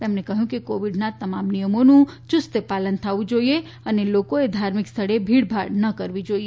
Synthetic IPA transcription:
t̪ɛmnekəɦjũkekoʋiɖnat̪əmamnijəmonũt͡ʃʊst̪əpalənt̪ʰaʋũd͡ʒoie | ənelokoed̪ʱaɾmɪkst̪ʰəɽebʱiɽbʱaɽnəkəɾʋid͡ʒoie

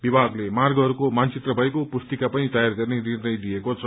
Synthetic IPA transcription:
bibʱaɡlemarɡʌɦʌɾukomant͡sit̪rʌbʱʌekopust̪ikapʌnit̪ajarɡʌrnenirnʌjd̪ijekot͡sʰʌ

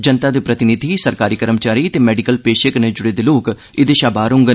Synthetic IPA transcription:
d͡ʒənt̪aːd̪eːpɾət̪ɪnɪd̪ʱiːsəɾkaːɾiːkəɾəmt͡ʃaːɾiːt̪eːmɛːɖikəlpeːʃəkned͡ʒʊɽeːd̪eːloːk | ɪd̪eːʃaːbaːɾʊ̃ŋɡ

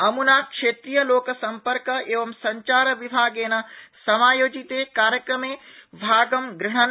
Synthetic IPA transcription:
ɐmunaːkʃeːt̪ɾijəloːkəsɐ̃mpəɾkəeːʋɐmsɐ̃ɲt͡ʃaːɾəʋibʱaːɡeːnɐsɐmaːjoːd͡ʒit̪ekaːɾjəkɾəmẽːbʱaːɡɐmɡɾɐɳ̃ən

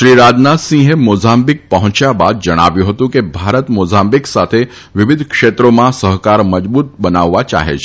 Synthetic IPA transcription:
ʃɾiːɾad͡ʒnat̪sĩɦemod͡zambik̚pəɦũt͡ʃjabad̪̚d͡ʒəɽ̃a̰ʋjũɦət̪ũkebʱaɾət̪mozambiksat̪ʰe | ʋɪʋɪd̪ʱkʂet̪ɾomãsəɦkaɾməd͡ʒbuːt̪̚bənaʋːat͡ʃa̰ɦḛt͡ʃʰe̥

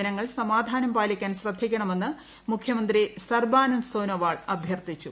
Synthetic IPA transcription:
ɐnɐŋːɐɭsɐmaːd̪ʱaːnɐmbaːlikʲːaːnɕrɐd̪ʱːikʲːɐɳɐme̞nːɨ | mukʰjɐmɐnd̪risɐrbaːnunsoːnoʋaːɭɐbʱjɐrt̪it͡ɕːu

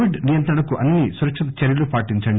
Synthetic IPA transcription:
ʋiɖnijɐnt̪ɾɐɳɐkuʔɐnːisuɾɐkʂɐt̪ɐt͡ʃeɾjɐlupaːʈiɲt͡ʃɐɳɖ

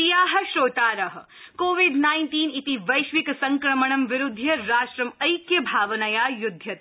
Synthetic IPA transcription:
ijaːɦɐ̆ʃɾoːt̪aːɾɐɦɐ̆ | koːʋiɖnaːɪnʈiːnit̪iʋɐjʃʋiksɐŋkɾɐməɳɐmʋɪɾud̪ʱːjɐɾaːʃɾɐmɐjkjɐbʱaːʋɐnɐjajud̪ʱjɐt̪

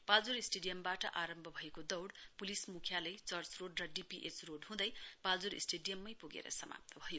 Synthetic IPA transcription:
pald͡zuɾisʈeɖijʌmbaʈʌʔaɾʌmbʱʌbʱʌekod̪ʌwɽpulismukʰjalajt͡sʌrt͡sroɖrʌɖipiʔet͡sroɖɦũd̪ʌjpald͡zuɾḭsʈeɖijʌmːʌjpuɡḛɾʌ̰sʌma̰p̚t̪ʰʌbʱʌjo

